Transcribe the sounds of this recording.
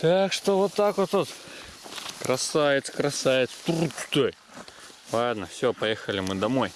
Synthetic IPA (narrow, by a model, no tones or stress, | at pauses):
t̪akʂt̪ovot̪ːakvot̪ot̪ | kɾɐsavʲɪt̪sə̥kɾɐsavʲɪt̪st̪uɾtʲt̪oj | lˠad̪̚nəfsʲɵpɐjexəlʲɪmɨd̪ɐmoj